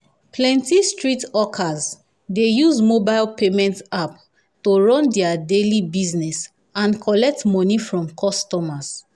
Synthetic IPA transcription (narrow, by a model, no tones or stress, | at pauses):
plɛ̃ntistɹitɔkʰaz | dejuzmobaɪlpemɛ̃ntap̚ | toɹɔ̃ndɛadelibiznɛs | ãnkʰɔlɛk̚tmɔnifɹɔ̃mkʰɔstɔmas